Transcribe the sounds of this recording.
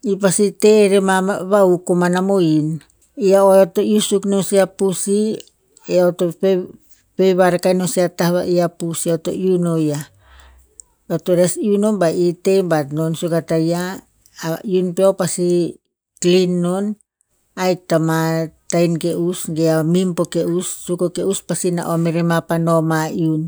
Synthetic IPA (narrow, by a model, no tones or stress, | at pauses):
ipasiteɾemaβaukomanamoin | iaooto̞jusuknosiapusi | eotop | pejβaɾekajnosiatahβa̰ʔiapusiaoto̞̰ʔiunoja | otoɾesiuno̞nbaʔite̞jmbatno̞nsukataja | iunpeopasi | klinːo̞n | ajk̚tamatajnkeʔusɡeamimpo̞keusːukokeuspasina̰ʔomeɾemapano̞maiun